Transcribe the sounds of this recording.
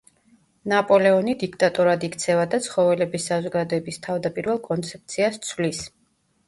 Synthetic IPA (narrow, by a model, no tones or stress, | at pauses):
napʼɔlɛɔnid̪ikʰt̪ʼat̪ʼuɾad̪ikʰt̪sʰɛvad̪at̪sʰχɔvɛlɛbisːazɔɡad̪ɔɛbist̪ʰavd̪apʼiɾvɛlˠkʼɔnt̪sʰɛp̚t̪sʰiast̪sʰvlis